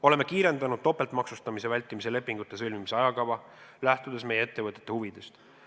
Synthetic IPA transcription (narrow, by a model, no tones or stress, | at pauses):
o̞le̞me̞kiːɾe̞nd̪ɑnud̪̥̚t̪ːo̞pːˑe̞lt̪ˑmɑksust̪ɑmise̞vælʲt̪imis̬e̞le̞pːˑiŋɡ̥ut̪ːˑe̞sɤlʲmimiseɑjɑkɑvɑ | læht̪ud̪̥e̞sme̞jee̞t̪ːe̞vɤt̪ːˑet̪ːˑe̞huvid̪̥e̞st̪